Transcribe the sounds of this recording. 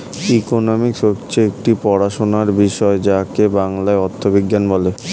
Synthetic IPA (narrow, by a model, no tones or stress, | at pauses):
ikonomikʃokt͡ɕʰeek̚ʈipɔɽaʃonaɾbiʃɔed͡ʑakebaŋlaeɔt̪ʰːobiɡːanbɔle